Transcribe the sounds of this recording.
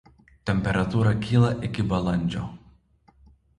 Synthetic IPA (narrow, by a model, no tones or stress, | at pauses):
t̪ʲɛmʲpʲɛɾɐt̪uːɾɐkʲiːlˠɐʔɪkʲɪbɐlˠɐnʲˑd͡ʒʲo̰ː